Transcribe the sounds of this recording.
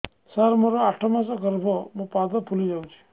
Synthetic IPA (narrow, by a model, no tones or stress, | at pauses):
saɾmoɾɔaʈʰɔmãsɔkəɾbʱomũpad̪ɔpʰulid͡ʒaũt͡ʃʰu̥